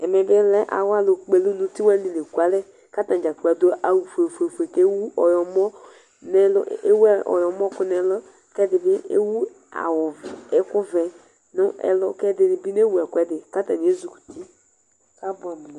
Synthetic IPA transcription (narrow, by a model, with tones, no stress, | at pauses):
ɛ˨mɛ˨bɪ˦lɛ˦ʔa̰˨wa˦lʊ˨k͡pe˨li˦nũ˦ti˦wa˦n˦di˨le˨ku˨˦a˨˦lɛ˦ | ka˦tã˨d͡ʒa˨k͡pa˨do˦ʔa˨wu˨fe˨fe˨fe˨ke˦wu˦ʔɔ˨jɔ˨mɔ˦ | nɛ˦lʊ̰˦e˦wɛ˦ʔɔ̰˨jɔ˨m˦ɔ˦kʊ˦nɛ˨lɔ˦ | kɛ˦dɪ˨bɪ˦ḛ˦wu˦ | a̰˨wʊ˨ɛ˦kʊ˦vɛ˨ | nʊ̃˦ɛ̰˨lʊ˦kɛ˦dɪ˨bi˦ne˦wu˨ɛ˨kʷɛ˦dɪ˨ka˦tã˨n˨e˦zu˨ku̥˨ti˦ | ka˦bʊ˨a˨m˨lɛ